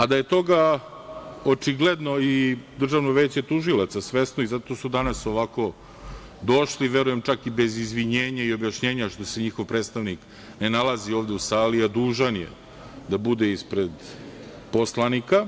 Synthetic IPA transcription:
ad̪aje̞t̪o̞ɡa | ot͡ʂiɡle̞d̪no̞id̪r̩ʒaʋnoʋe̞ːt͡ɕe̞t̪uʒilat̪sasʋe̞snoizat̪o̞ːsud̪anaso̞ʋako̞ | d̪o̞ʃliʋe̞ɾuje̞mt͡ʃakibe̞zizʋiɲe̞ːɲaio̞bjaʃɲe̞ːɲaʃt̪o̞se̞ɲixovpɾe̞ːt̪st̪aʋnik | nenalazio̞ːʋd̪eusaːliad̪uːʒanjḛ | d̪abud̪eispɾed̪ | po̞slˠanika

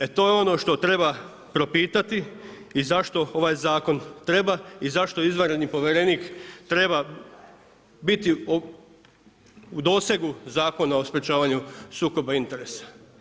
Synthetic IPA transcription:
et̪o̞ːjeo̞no̞ʃt̪o̞t̪ɾe̞ba | pɾo̞piːt̪at̪iː | zaʃt̪o̞o̞ʋaːjzaːko̞nt̪ɾe̞baizaʃt̪o̞izʋanɾed̪nipo̞ʋʲjeɾeniːkt̪ɾe̞ba | bit̪io | ud̪o̞ːseɡuzaːko̞naospɾet͡ʃaːʋaɲusuːko̞baint̪e̞ɾesḁ

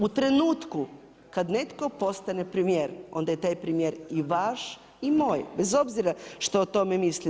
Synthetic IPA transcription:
ut̪ɾe̞nuːt̪ku | kad̪net̪ko̞po̞st̪anepɾimijeːɾo̞̰nd̪ajet̪aːjpɾimjeːɾiʋaʃ | imo̞ːjbezo̞bziɾaʃt̪oot̪o̞memisli

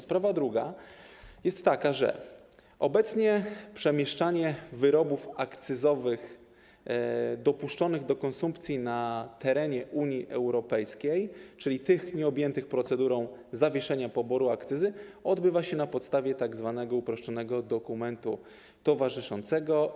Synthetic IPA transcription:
spɾavad̪ɾuɡa | jɛst̪ːakaʐɛ̰ | ɔbɛt̪sɲɛpʂɛmʲjɛʂt͡ʂaɲɛvɘɾɔbufakt̪sɘzɔvɘx | d̪ɔpuʂt͡ʂɔnɘɣd̪ɔkɔnsumpt̪sʲjinat̪ɛɾɛɲɛʔuɲiʔɛwɾɔpɛjskʲejt͡ʂɘlʲit̪ɘxɲɛɔbjɛnt̪ɘxpɾɔt̪sɛd̪uɾɔ̃w̃zavʲjɛʂɛɲapɔbɔɾuakt̪sɘzɘɔd̪bɘvaɕɛnapɔt̪st̪avʲjɛt̪aɡzvanɛɡɔupɾɔʂt͡ʂɔnɛɡɔd̪ɔkumɛnt̪u | t̪ɔvaʐɘʂɔnt̪sɛɡɔ

